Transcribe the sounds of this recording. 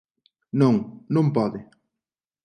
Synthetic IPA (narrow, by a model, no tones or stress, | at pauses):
nõŋnõmpɔðɪ